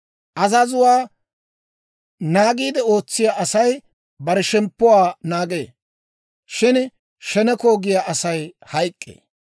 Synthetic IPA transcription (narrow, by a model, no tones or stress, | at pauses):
ʔɐzɐzʊwaː | naːɡiːd̪ɛo̞ːt͡sːɪjaʔɐsɐj | bɐɾɛʃɛmpːʊwaːnaːɡeː | ʃɪn | ʃɛnɛkoːɡɪjaʔɐsɐjhɐjkʼːḛː